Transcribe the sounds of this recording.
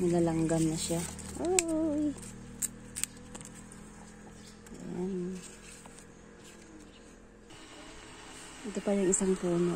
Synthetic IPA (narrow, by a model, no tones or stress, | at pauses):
nɪlalaŋɡamnaʃaʔoj | jan | ɛt̪opajaŋɪsaŋpuːno